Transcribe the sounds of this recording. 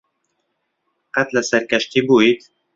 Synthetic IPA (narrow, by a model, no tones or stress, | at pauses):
qæt̪læsæɾkæʃt̪ibuit̪